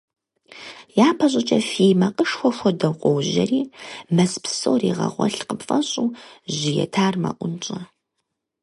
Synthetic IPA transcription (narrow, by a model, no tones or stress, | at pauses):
jaːpʰɐɕ̬ʼɪt͡ʃʼɐfimɐqʼəʂxʷɔxʷɔdɐwqʷʼɔwʑɐ̰riːmɐspsoːrḭːʁɐ̰ʁʷɔɬqəpfʼɐɕʼuːʒɪjɛ̰tʰaːrmɐ̰ʔʷʊnt͡ʃʼɐ